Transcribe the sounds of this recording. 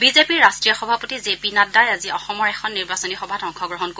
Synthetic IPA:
bizepiɹːastɹijɔxɔbʱapotizepinadajaziɔxɔmɔɹɛxʰɔnːiɹbasɔnixɔbʱatɔŋkʰɔɡɹɔɦɔnko

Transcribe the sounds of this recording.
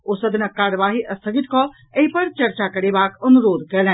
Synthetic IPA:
oːsəd̪ʱnəkːaːɾəʋaːɦiʔɐst̪ʰəɡit̪kɔ | əɦipəɾt͡ʃɐɾt͡ʃakəɾebaːkɐnuɾoːd̪kɛlɛ̃

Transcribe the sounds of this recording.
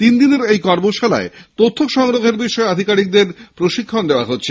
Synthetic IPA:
t̪ind̪ineɾejkɔɾmoʃala̰et̪ot̪ʰːokʃɔŋɾoɡʱeɾbiʃɔead̪ʱikaɾik̚d̪eɾpɾoʃikʰːond̪eoaɦot̪ːɕʰe

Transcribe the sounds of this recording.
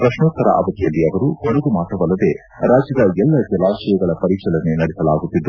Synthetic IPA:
pɾɐʂnɔːt̪ːɐɾɐ̰ʔɐ̰ʋɐt̪ːijɐlːiɐʋɐɾuhɐɽɐɡumaːt̪ɐʋɐlːɐd̪e̞ | ɾaːd͡ʒjɐd̪ɐɛlːɐd͡ʒɐlaːʃɐjɐɡɐɭɐpɐɾikʂɐlɐnenɐɽɛsɐlaːɡut̪ːid̪ːu

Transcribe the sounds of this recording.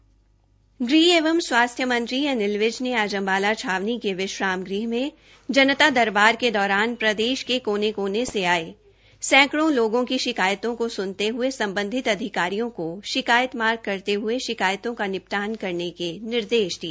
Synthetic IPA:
ɡɾiːeːʋəmswaːst̪ʰjəmɐ̃nt̪ɾijanɪlʋɪd͡ʒneaːd͡ʒə̃mbaːlat͡ʃʰaːʋnikeʋɪʃɾaːmɡɾiːɦmẽ | d͡ʒɐnət̪ad̪ɐɾbaːɾked̪ɔːɾaːnpɾɐd̪eːʃkekoːnekoːneseaːeː | sɛ̃ːkɽõloːɡõkiʃɪkaːjət̪õkosʊnt̪eɦʊesɐ̃mbə̃nd̪ʱɪt̪ɐd̪ʱɪkaːɾijõkoʃɪkaːjət̪maːɾɡ̚kɐɾt̪eɦʊeʃɪkaːjt̪õkanɪp̚t̪aːnkɐɾnekenɪɾd̪eːʃd̪ieː

